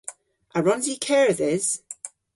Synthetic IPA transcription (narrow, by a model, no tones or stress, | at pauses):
ʔəɹɔ̃nzikʰɛɹəðɪz̥